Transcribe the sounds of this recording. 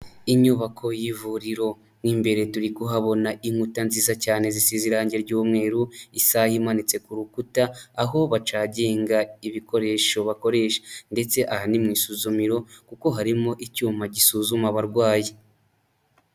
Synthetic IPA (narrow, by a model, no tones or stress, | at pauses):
iɲuβakʰo̞jivuɾiɾo̞ | niːmbe̞ɾe̞tuɾikuɦaβo̞naʔimutanziːzacaːne̞zisiziɾaːɲɟe̞ɾɟuːmŋe̞ːɾuisahimanit͡se̞kuɾukutaːɦo̞βat͡ʃaːɟe̞ːŋɡaiβiko̞ɾe̞ʃo̞βako̞ɾe̞ːʃḁnde̞t͡se̞ʔahanimŋiːsuzumiɾo̞kuko̞ɦaɾimo̞ʔicuːmaɟisuːzumaβaɾɡwaːje